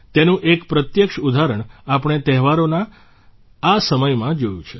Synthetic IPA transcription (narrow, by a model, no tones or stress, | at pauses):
t̪enũʔekpɾət̪jəkʃud̪ʱaɾəɳapəɳ̃et̪ɛɦʋaɾonaː | səməjmãd͡ʒojũt͡ʃʰe̥